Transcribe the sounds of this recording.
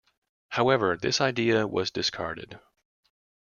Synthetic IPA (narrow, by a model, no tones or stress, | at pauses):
haʊɛvə˞ðɪ̰saɪdiɨwʌ̰zdɨskʰɑ̰ɹɾɨ̰d̥